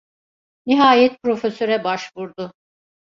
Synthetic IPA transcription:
niɦaːjɛt̪̚pɾo̞føsø̞ɾɛbaʃvuɾd̪ʊ

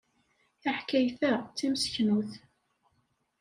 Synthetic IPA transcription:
aħkæjθæt͡sːimsçnuθ

